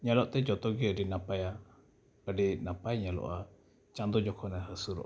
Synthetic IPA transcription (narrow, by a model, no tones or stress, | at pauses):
ɲalɔʔt̪ɛd͡ʒɔt̪ɔɡɛəɖinapaja | əɖinapajɲalɔ̰ʔa | t͡ʃãnd̪ɔd͡ʒɔkʰɔnaɦəsuɾɔ̰ʔ